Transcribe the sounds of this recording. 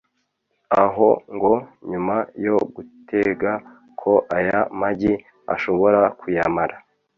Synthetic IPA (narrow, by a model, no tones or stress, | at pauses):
aɦoŋɡoɲumajoɡutʰeɡa | kʰo̞ʔajamaɟi | a̰ʃo̞βo̞ɾakujamaɾa